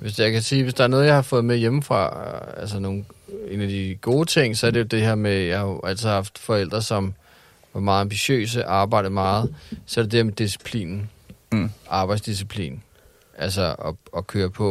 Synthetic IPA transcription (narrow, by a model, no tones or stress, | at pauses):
ʋe̝sjɑ̈kæsiːʋe̝sd̥ɑ̈æɐnɔ̽ːðˠjɑ̈ɪhɑ̈fɔ̽ːð̩ˠmejemfʁɑ̰̈æls̬əno̝ːn̩e̝ːnæd̥iɡ̥o̝ːt͡sʰe̝ŋ̰sɒ̽æɐd̥ejo̝d̥e̝heɐ̰mejɑ̈ɪhɑæl̰t͡sʰsʰihɑ̈fd̥fɒ̽el̰d̥ʁɐsɒ̽m | ʋɑ̈mɑ̈ːð̩ˠɑ̈mb̥iɕø̰ːs̬əʔɑ̈ːb̥ɑ̈ɪ̰d̥̩əmɑ̈ːð̞̩ˠsɒ̽æɐd̥ed̥e̝heɐmed̥isi̥pʰlḭːnn̩ | ʔɑ̈ːb̥ɑ̈ɪdsd̥is̬ipʰlḭːn | ʔæls̬əɒɒkʰøːɐpʰɒ̽